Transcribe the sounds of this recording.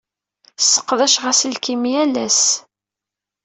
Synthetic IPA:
sə̥qːðæʃʁæslkimjælæs

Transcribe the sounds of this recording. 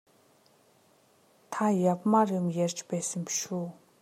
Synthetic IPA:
t̪ʰajap̚marəŋjart͡ɕpesimpɕo

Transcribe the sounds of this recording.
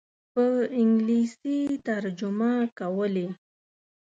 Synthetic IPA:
pəɪŋɡlisit̪aɾd͡ʒʊmakawəle

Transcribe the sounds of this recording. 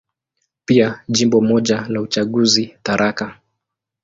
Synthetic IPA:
piaʄimbɔmɔʄalaut͡ʃaɠuzitaɾʔaka

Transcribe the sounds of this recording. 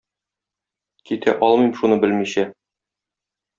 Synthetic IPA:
kit̪ʰæ̰ʔɒlˠmɤjmʃunɤbɘlmiɕæ

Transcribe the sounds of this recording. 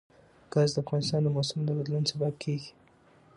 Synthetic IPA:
ɡ̥azd̪əafɣɑnɪst̪ɑnd̪əmɑsʊmd̪əbad̪lunsabab̚kʰeɡi̥

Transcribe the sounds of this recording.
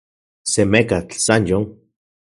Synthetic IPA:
semekat͡ɬsanjoŋ

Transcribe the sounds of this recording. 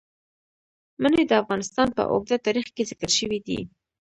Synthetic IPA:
məned̪əafɣɑnɪst̪ɑnpə̰ʔo̰ɡ̚d̪at̪ɑɾixkezɪkəɾʃəwid̪ḭ

